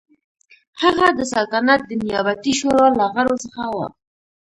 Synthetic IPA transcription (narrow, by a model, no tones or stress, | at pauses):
haɣad̪əsalt̪anat̪̚d̪ənijɑbat̪iʃoɾɑlaɣaɾosəxawɑ̰xt̪̚